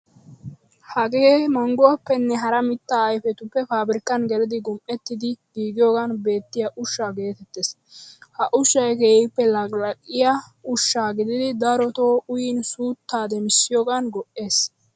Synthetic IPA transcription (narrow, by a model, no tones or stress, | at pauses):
hɐɡeːmɐŋɡʊwɐpːɛnːɛɦɐɾɐmɪt̪ːaːjfɛt̪ʊpːɛfaːbɾɪkːɐnɡɛlɪd̪ɪɡʊmʔɛt̪ːɪd̪ɪɡiːɡɪjoːɡɐnbe̞ːt̪ːɪjɐʔʊʃːaːɡe̞ːt̪ɛt̪ːes | hɐʔʊʃːɐjkeːɪpːɛlɐkʼlɐkʼɪjɐʊʃːaːɡɪd̪ɪd̪ɪd̪ɐɾɔt̪oːʔʊjɪnsuːt̪ːaːd̪ɛmɪsːɪjoːɡɐnɡɔʔe̞ːs